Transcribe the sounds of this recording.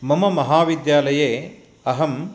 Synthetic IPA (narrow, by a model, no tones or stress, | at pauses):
mɐmɐmɐɦaːʋid̪jaːlɐjeː | ɐɦɐm